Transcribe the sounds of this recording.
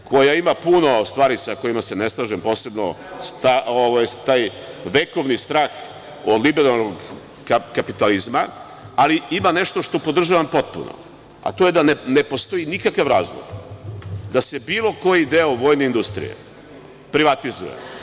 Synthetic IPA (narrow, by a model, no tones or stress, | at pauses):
kʰo̞jaimapuno̞st̪ʋaːɾisako̞jimase̞ne̞slˠaːʒempo̞ːse̞bno̰ | st̪aoʋajt̪aːj | ʋe̞ko̞ʋnist̪ɾaːx | od̪libeɾalˠnoɡ | akapit̪alizma | aliimane̞ʃt̪o̞ʃt̪o̞po̞d̪r̩ʒaʋampo̞t̪̚pṵnʔo̰ | a̰t̪o̞je̞d̪anene̞po̞st̪o̞inikakaʋɾaːzlˠo̰ɡ | d̪ase̞bilo̞ko̞jid̪eoʋo̞ːjne̞ind̪ust̪ɾḭje̞̰ | pɾiʋat̪izṵjḛ